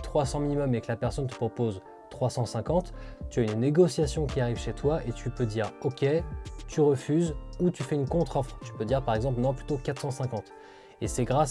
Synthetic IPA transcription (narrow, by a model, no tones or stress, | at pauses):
t̪χwasɑ̃minimɔmekəlapɛʁsɔnt̪̬ə̥pχɔpoz | t̪χwasɑ̃sɛ̃kɑ̃t̪t̪ːyaynneɡɔsjasjɔ̃kʲiaʁivʃet̪waʔet̪ʰypød̪iʁɔkʲɛt̪yʁəfyzut̪yfɛynkɔ̃t̪χɔfχt̪y̥pød̪iʁpaʁɛɡzɑ̃p̬lnɔ̃plyt̪okat̪χsɑ̃sɛ̃kɑ̃t̪ | esɛɡʁas